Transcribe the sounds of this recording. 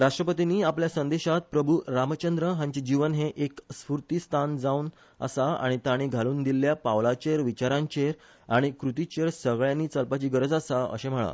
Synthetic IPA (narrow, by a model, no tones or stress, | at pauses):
ɾaʂʈɾəpət̪iniːapljasənd̪eɕat̪̚pɾəbʱuɾamət͡ɕənd̪ɾəɦãɲt͡ɕid͡ʑiʋənɦeʔeksfuɾt̪ist̪ʰand͡zaun | ə̰saa̰ɽ̃it̪aɽ̃iɡʱaluːnd̪ilːjapaʋlat͡ɕeɾʋit͡ɕaɾãɲt͡ɕeɾ | aɽ̃ikɾut̪it͡ɕeɾsəɡɭjãnːiːt͡səlpat͡ɕiːɡəɾəd͡zasaə̰ɕẽm̤əɭa̰